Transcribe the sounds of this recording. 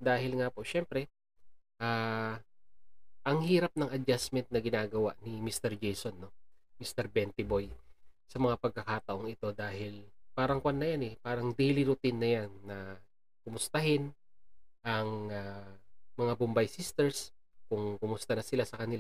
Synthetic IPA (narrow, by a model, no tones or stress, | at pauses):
d̪aːɦɪlŋapo̞ʔʃɛmpɾɛ | ʔaː | ʔɐŋhiːɾɐp̚nɐŋɐd͡ʒasmɛnt̪̚nɐɡɪnaːɡɐwa̰ʔnɪmist̪ɛɹd͡ʒejsonːo̞mist̪ɛɾbɛnt̪ɪbo̞jsɐmɐŋapɐɡ̚kːɐkaːt̪ɐʔo̞ŋɪt̪o̞d̪aːɦɪlpaːɾɐŋkwanːɐjanɛpaːɾɐŋd̪ejlɪɾʊt̪ɪnːɐjanːɐ | kʊmʊst̪ɐɦɪn | ʔɐŋa | mɐŋabʊmbajsist̪ɛɹskʊŋkʊmʊst̪ɐnɐsɪlasɐkɐnɪla